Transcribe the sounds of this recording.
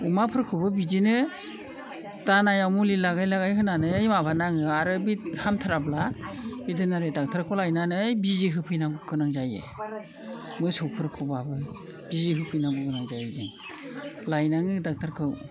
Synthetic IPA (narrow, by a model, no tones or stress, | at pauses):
umapʰɯɾkʰɯbɯbizinɯ | tanajawmulilaɡajlaɡajɦɯnanɯjmabʱanaŋɯaɾɯbithamtʰaɾablabidɯnaɾedak̚tʰaɾkʰɯwlajnanɯjbiziɦɯpʰɯjnaɡuɡɯnaŋzajḛ | mɯsɔwpʰɯɾkʰɯbabɯ | b̥iziɦɯpʰɯjnabuɡɯnaŋzajezɯŋ | lajnaŋɯdak̚tʰaɾkʰɯw